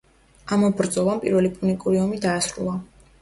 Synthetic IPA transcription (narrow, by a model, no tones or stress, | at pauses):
amɔbɾd̪zʼɔlˠampʼiɾvɛlipʼunikʼuɾiɔmid̪aːsɾṵlˠa